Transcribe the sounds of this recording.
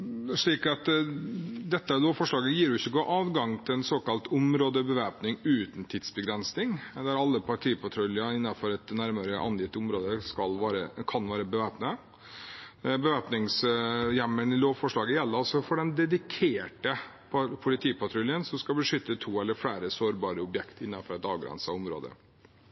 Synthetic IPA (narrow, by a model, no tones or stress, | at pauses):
ʂɭiːkɑt̪ | d̪ɛt̪ːəloːʋfɔʂɭɑːɡəjiːɾjʊɪçːəɡoːʔɑːʋɡɑŋt̪ʰɪlɛnsoːkɑlt̪ʊmɾoːd̪əbəʋæːpnɪŋʉːt̪nt̪ʰiːd̪sbəɡɾɛnsnɪŋd̪æɾɑlːəpʰɑʈʰiːpʰɑt̪ʰɾʉlɪəɪnːɑfɔɾɛt̪næɾməɾəʔɑ̰njɪt̪ːʊmɾoːd̪əskɑlʋɑːɾəkʰɑnʋɑːɾəbəʋæːpnə | bəʋæːpnɪŋsjɛmːəɳɪloːʋfɔʂɭɑːɡəjɛlːəɔsɔfɔɖɛnd̪ɛd̪ɪkʰeːʈə | pʰpʰʊlɪt̪ʰiːpʰɑʈ̪ʰɾʉljənsɔmskɑbəʂʏt̪ːət̪ʰuːɛlːəɾfɽæːɾəsoːɾbɑːɾəʊbjɛkt̪ɪnːɑfɔɾɛt̪ɑːʋɡɾɛ̰nsɑʊmɾo̰ːd̪ə̰